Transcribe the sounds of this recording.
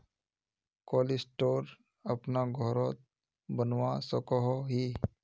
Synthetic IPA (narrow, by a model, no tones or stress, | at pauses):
koːlisʈoːɾ | əpnaɡʱɔɾot̪ | bənwasəkɔɦoɦiː